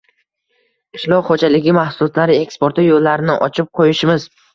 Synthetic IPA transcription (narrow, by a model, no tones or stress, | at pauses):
ɪʃlɒwχod͡ʒalɪɡʲɪmahsʊlˠɒt̪laɾɪekspo̞ɾt̪ɪjolːaɾɪnɪʔɒt͡ʃʰɪp̚qʰojɪʃɪmɪz